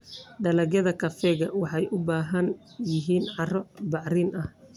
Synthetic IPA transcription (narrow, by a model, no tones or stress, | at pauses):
ɖɐlɐɣjɐðɐkʰɐfɛːɣɐwɑħɑjʔʊbaːɦɐn | jɪɦiːnʕɑrɔbɑʕriːnʔɐh